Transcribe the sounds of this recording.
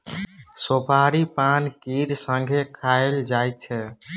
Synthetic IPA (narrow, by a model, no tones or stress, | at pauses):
sopaɾipankiɾsə̃ŋɡʱekʰaeld͡ʒajtt͡ʃʰɛ